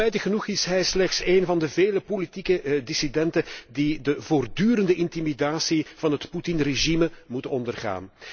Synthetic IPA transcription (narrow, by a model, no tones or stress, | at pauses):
ɛjdəɣənuxɪsɦɛjslɛxtseːnvɑndəveːləpolitikədɪsidɛntədidəvoːrdyːɾəndəʔɪntimidaːsiv̥ɑnɦətputɪnreʒiməmutəɔndərɣa̰ːn